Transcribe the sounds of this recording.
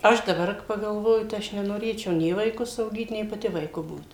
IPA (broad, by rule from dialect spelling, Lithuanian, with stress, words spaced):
ˈɐʃ dɐˈbɐr pɐɡɐlˠˈʋoːjʊ tɐɪ ˈɐʃ nʲɛnoːˈrʲeːt͡ʃʲɛʊ ˈnʲeː ʋɐɪˈkʊs ɐʊˈɡʲiːt nʲɛɪ pɐˈtʲɪ ʋɐɪˈkʊ ˈbuːt